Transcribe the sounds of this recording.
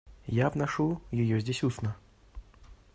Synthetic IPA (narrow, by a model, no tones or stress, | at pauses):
jabnɐʂujɪjozʲdʲesʲusnə